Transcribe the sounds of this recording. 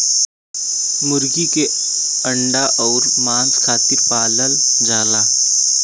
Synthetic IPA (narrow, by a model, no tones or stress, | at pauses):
mʊɾɡike | əɳɖaʔɔːɾmãːnskʰaːt̪ɪɾpaːləld͡ʒaːlaː